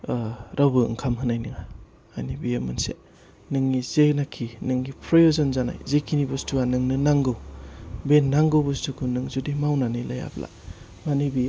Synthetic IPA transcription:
ɾʔawbɯɯ̰ŋkʰamɦɯnajniŋa | ajnibijamɯnsḛ | nɯŋːizenakʰinɯŋːipʰɾojozɔnzana̰jzekʰinibustuanɯŋnɯnaŋɡɯwbenːaŋɡɯwbɯstukʰunɯŋzudimawnanilaja̰bla̰ | manibij

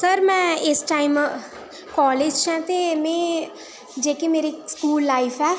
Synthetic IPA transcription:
səɾmɛ̃ɪsʈaːim | kɔːleːd͡ʒt͡ʃɛ̃t̪emẽ | d͡ʒeːkemeːɾeskuːlːaːifʰɛː

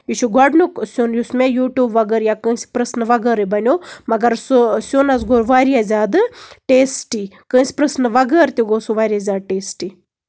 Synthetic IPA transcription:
iʃʰuɡʱɐɖnuksʲonjusmejuːʈʲjuːbʋɐɡəɾjaːkə̃ːsi̥pɾəsnʋɐɡəɾibɐnʲomɐɡɐɾsusʲoːnɐsɡoːɾʋaːɾiazʲaːd̪ɨʈeːsʈikə̃ːsʲpɾəsnʋɐɡəːɾt̪ʲiɡoːsuʋaːɾʲiazʲaːd̪̚ʈeːsʈi

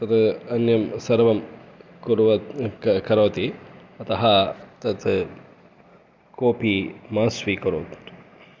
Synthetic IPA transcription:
t̪ɐt̪ɐnjɐmsɐɾʋɐmkuɾʋɐkɐɾʋɐt̪i | ɐt̪ɐɦɐt̪ɐt̪ʰ | koːpiːmaːsʋikɐɾoːt̪

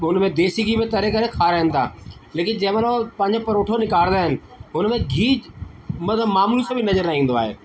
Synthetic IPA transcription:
ɦʊnmẽd̪eːsiɡibɪ̃t̪ɐɾekɐɾekʰaːɾəɦə̃nt̪ʰa̰ːleːkɪnd͡ʑɐ̃ːmẽlopɐ̃ɦɪ̃ɲd͡ʑopɐɾoːʈʰonɪkaːɾ̃d̪aːɦɪnɪ̆ | ɦʊnmẽɡʱiːd͡ʑmɐd̪ʱəmaːmuːlisãbʱɪnɐzəɾnaːĩːnd̪oaːɦḛː

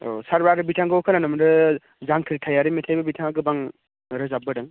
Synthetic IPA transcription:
o̰saɾbaɾɯbitʰaŋɡɯwkʰananɯmndɯ | zaŋkʰiɾtʰajaɾɯmitʰajbɐbitʰaŋaɡɯbaŋ | ɾɯzabɯdɯŋ

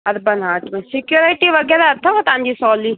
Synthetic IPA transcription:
ɐɾbɐnaːʈmẽsɪkjuːɾiʈiʋɐɡɛɾaɐt̪ʰːɐʋɐt̪ãːnd͡ʒisɔːli

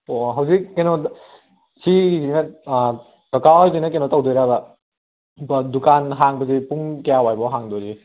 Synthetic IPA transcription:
oɦɐwzikːenɔ | sizinɐ | kakaɔjzinɐk̬enɔtawdɔjɾabɐ | dukanɦaŋbɐzipuŋkjawajbɔɦaŋdɔɾi

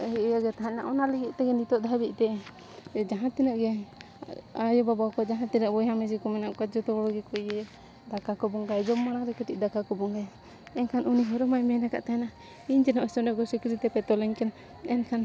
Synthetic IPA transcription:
ɦiʔjaɡɛt̪aɦãnaʔɔnalɛɡit̪̚ˀt̪ɛɡɛnit̪ɔʔd̪ʱabiʔ̚ˀt̪ɛ | d͡ʒaɦãt̪inɔʔɡɛ | ajɔbabawkɔd͡ʒaɦãt̪inɔʔbɔjɦamɛsikɔmɛnaʔkad͡ʒɔt̪ɔɔɽɔɡɛkɔijɛ | d̪akakɔbɔŋɡajd͡ʒɔmːaɽ̃aɾɛkəʈiʔ̚d̪akakɔbɔŋɡaj | ɛnkʰanʔuniɦɔɾɔmajmɛnaka̰ʔt̪ajna | iɲd͡ʒɛnɔʔɛsɔnɛʔɡɔsikɾit̪ɛpɛt̪ɔlɛɲkɛn | ɛnkʰan

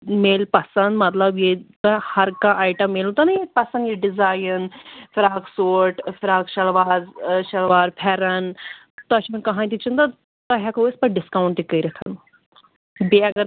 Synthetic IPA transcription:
meːlpɐsɐnd̪mɐt̪lɐbjekɐhɐɾkãʔaːjʈɐmːeːlũt̪ɐnɐjepɐsɐ̃nd̪jeɖɪzaːjənfɪɾaːɡsoːɾʈfɪɾaːɡʃɐlʋaːzʃɐlʋaːɾpʰɛɾɐn | t̪ɐʃinkɐɦãnt̪it͡ʃʰint̪a | t̪ɐɦʲakɐospɐɖɪskaːwuɳʈ̪ikːɐiɾɐk̪ʰɐn | beɐɡɐɾ

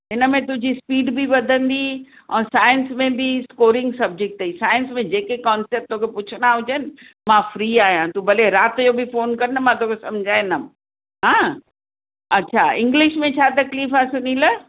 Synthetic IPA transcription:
ɦɪnə̆mẽt̪ʊ̃ɦɲd͡ʑispiːɖbʱiʋɐd̪ʱə̃nd̪i | ɛ̃ːsaːjənsmẽbʱiskoːɾɪ̃ŋɡsɐb̚d͡ʑɪk̚ʈ̪ːɐisaːjənsmẽd͡ʑeːkekɔːnseːp̚t̪okʰepʊt͡ɕʰʊnaɦʊd͡ʑenɪ | mãfɾiːaːɦijãt̪ũbɐleɾaːt̪jobʱifoːnkɐɾnəmãt̪okʰesɐmd͡ʑʱaːɪnəm | ɦãː | ɐːɕʰaɪ̃ŋɡlɪʃmẽt͡ɕʰaːt̪ɐkliːfasʊnĩlə

